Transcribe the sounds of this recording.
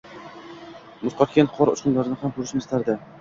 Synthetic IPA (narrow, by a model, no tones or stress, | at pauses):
mʊzqʰɒt̪kʲanqʰɒɾʊt͡ʃqʊnlaɾɪnɪhamkʰʊɾɪʃmast̪ʰaɾd̪ɪ